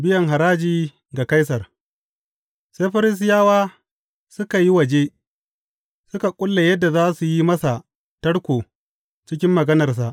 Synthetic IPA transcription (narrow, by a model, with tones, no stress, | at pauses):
bɪ˦jɐ˨ŋɦa˨ɾaː˦d͡ʒiː˨ | ɡa˨ka˦jsɐ˨r | se˦ɸɐ˦ɾɪ˦s̬ɪ˦jaː˦waː˦ | sʊ˦ka˨ji˦wɐ˨d͡ʒe˦ | sʊ˦ka˨kʷʼʊ˦lːe˨jɐ˦dːa˨zaː˦su˨ji˦mɐ˦sa˨ | tɐ˦ɽkʷoː˨ | t͡ʃɪ˦kʲɪ˦mːɐ˨ɡɐ˦nɐ˨rs̬a˨ʔ